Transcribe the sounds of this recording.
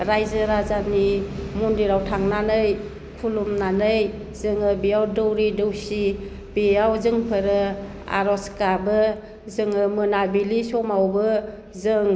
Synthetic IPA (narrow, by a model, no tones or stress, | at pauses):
ɾajzɯɾazanimundiɾawtʰaŋnanɯj | kʰulumnanɯj | zɯŋɯbijawdɯwɾidɯwsi | biawzɯŋpʰɯɾɯ | a̰ɾɔskabɯ | zɯŋɯmɯnabilisɔmawbɯ | zɯŋ